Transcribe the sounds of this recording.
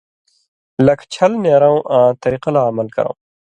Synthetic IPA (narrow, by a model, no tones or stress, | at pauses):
lɐkt͡ɕʰɐlneːɾãwʔãːt̪ɐɾiqɐlamɐlkɐ̰ɾõ̰w̃